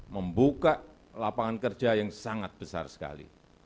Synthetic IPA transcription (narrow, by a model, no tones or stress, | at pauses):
məmbukaʔ | lapaŋankər̥ʒ̥ajaŋsaŋat̪̚b̥əsa̰rsə̥ka̰lḭ